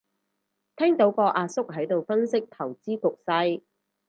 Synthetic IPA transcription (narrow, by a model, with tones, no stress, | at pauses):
t̪ʰɛː˥ŋt̪o˨˥wkɔː˧ʔaː˧sʊ˥k̚ɦɐ˨˥jt̪o˨wfɐ˥nsɪ˥k̚t̪ʰɐ˨˩wt͡siː˥kʊ˨k̚sɐ˧j